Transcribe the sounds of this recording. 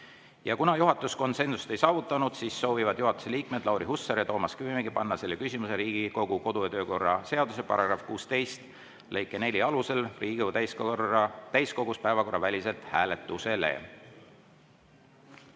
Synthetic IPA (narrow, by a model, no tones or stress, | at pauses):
jɑkunɑjuɦɑt̪ːˑusko̞nse̞nsust̪e̞jsɑːvut̪ːˑɑnud̪̥siːsːo̞ːvivɑd̪̥juɦɑt̪ːu̥se̞liːkme̞d̪̥lʔɑwɾihusːɑɾjɑt̪o̞ːmɑskyvimeɡipɑnːɑse̞lːekysʲimuse̞ɾiːɡ̥iko̞ɡ̥uko̞d̪̥ujɑt̪ø̞ːko̞rːɑse̞ɑd̪̥use̞pɑ̰ɾɑɡ̥rɑfkuːst̪e̞jst̪ | lɤjkˑːe̞ne̞lʲiɑluse̞lriːɡut̪æjsɑt̪æjsko̞ɡuspæevɑko̞rːɑvælʲise̞lt̪hæːle̞t̪ːˑuse̞le̞̰